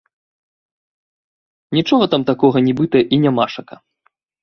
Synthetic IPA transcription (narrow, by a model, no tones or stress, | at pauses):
nʲit͡ʂɔɣɐt̪amt̪akɔɣɐnʲibɨt̪ɐjɐʔinʲamaʂɐkɐ̰